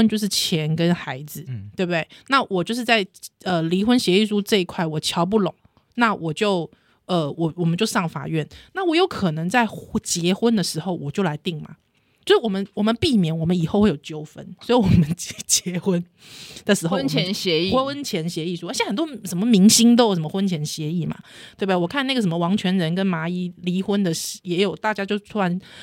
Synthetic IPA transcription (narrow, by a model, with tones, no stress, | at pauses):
ə˥nt͡ɕjo˥˧ʊʂ̬ɻ̩˥˩t͡ɕʰjɛ˧˦˥nkə˦nxa˧˥ɪd͡zɹ̩˨˦t̪we˥˩b̚t̪e˥˩ɪna˥˩wʔɔ˨˩t͡ɕjo˥˧ʊʂ̬ɻ̩˥˧t͡sa˥˩ɪə˧li˧˥xwə˥nɕjɛ˧i˥˧ʂu˥ʈ͡ʂɤ˥˧i˧˥kʰwa˥˩ɪwɔ˨˩t͡ɕʰjɑ˧˥ʊp̬u˥˩lʊ̰˨˩˦ŋ | na˥˩wʔɔ˨˩t͡ɕjo˥˩ʊ | ə˧wɔ˨˩wɔ˨˩mə˦nt͡ɕjo˥˧ʊʂɑ˥˩ŋfa̰˨˩ɥɛ˥˩nna˥˩wɔ˦˥jo˧˥ʊkʰɤ˨˩nɤ˧˥ŋt͡sa˥˩ɪt͡ɕjɛ˧˥xwə˦nd̪ə˨ʂɻ̩˧˥xo˧˩ʊwɔ˨˩t͡ɕjo˥˩ʊla˧˥ɪt̪i˥˩ŋma̰˩ | t͡ɕt͡ɕo˥˧ʂɻ̩˥˩wɔ˨˩mə˦nwɔ˨˩mə˨˦npi˥˩mjɛ˨˩˦nwɔ˨˩mə˦ni˨˩xo˥˧ʊxwe˥˩jo˨˩ʊt͡ɕjo˥ʊfə̰˦˥nswɔ˧˥i˧˥wɔ˨˩mə˦nt͡ɕjɛ˧˦xwə˦˥n | d̪ə˨ʂɻ̩˧˥xo˥˧˥nt͡ɕʰɛ˧˦nɕɛ˧˦i˥˨˥nt͡ɕʰjɛ˧˥nɕjɛ˧˥i˥˩ʂu˥ə˧˥t͡ɕʰɛ˨˥xə˨˩nt̪wɔ˥ʂə˧˥nmə˧mi˧˥ŋɕi˥ŋt̪o˥ʊjʊʂ̬ə˦mə˧wə˥nt͡ɕʰjɛ˧˥nɕjɛ˧˦i˥˩ma̰˩t̪we˥˩ba˩wɔ˨˩kʰa˥˧na˥˩ɡə˩ʂ̬ə˧˦mə˧wɑ˧˥ŋt͡ɕʰɥɛ˧˥nɻə˧˦nkə˦˥nma˧˥i˥li˧˥xwə˦nd̪ə˨jɛ˧˥jo˨˩ʊt̪a˥˩t͡ɕja˥t͡ɕjo˥˩ʊt̪ʰu˥a˧˦n